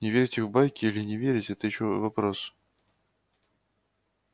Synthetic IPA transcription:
nʲɪvʲeɾʲɪtʲɨxvbajkʲɪilʲɪnʲɪvʲeɾʲɪtʲɛt̪əjɪɕovɐpɾos

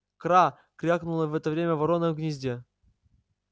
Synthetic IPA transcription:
kɾa | kɾʲaknʊlˠəvɛt̪əvɾʲemʲəvɐɾonəɡnʲɪzʲdʲe

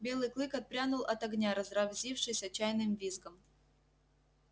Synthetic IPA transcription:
bʲe̞lˠɨjklˠɨkɐt̪̚pɾʲanʊlˠɐt̪ɐɡnʲaɾəzrɐvzʲifʂɨjsʲɐt͡ɕajnɨmvʲizɡəm

